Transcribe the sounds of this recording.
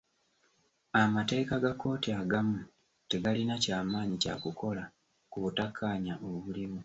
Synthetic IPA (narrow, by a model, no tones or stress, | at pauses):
amate̞ːkaɡakːo̞ːtiaɡamu | te̞ɡalinacaːmaːɲica̰kuko̞la | kuβutakʰːaːɲaʔoβuliβu